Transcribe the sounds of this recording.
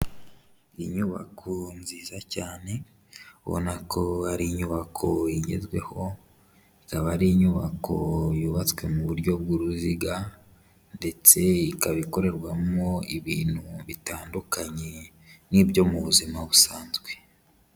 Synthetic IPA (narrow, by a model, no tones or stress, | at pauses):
iɲuβa̰kʰonziːzacaːne̞ | βo̰nakʰo̞haɾiːɲuβakʰo̞iɟe̞̰zɡwe̞ho̞ | ikaβaɾiːɲuβakʰo̞juːβat͡swe̞muβuɾɟo̞b̚ɡuɾuziɡa | nde̞t͡se̞ikaβiko̞ɾe̞ɾɡwamoiβiːn̥huβitaːndukaɲe̞ | niːbjo̞muβuzimaβusaːnzɡwe̞